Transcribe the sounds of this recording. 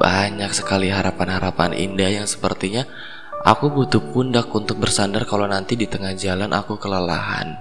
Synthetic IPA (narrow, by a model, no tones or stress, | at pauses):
baɲaksə̥kaliɦaɾapanhaɾapanḭndahjaŋsə̥pərt̪iɲa | ʔa̰kubut̪up̚undak̚unt̪ʊk̚bərsandarkalonant̪idit̪əŋahd͡ʒalanʔa̰kukələla̰ɦa̰n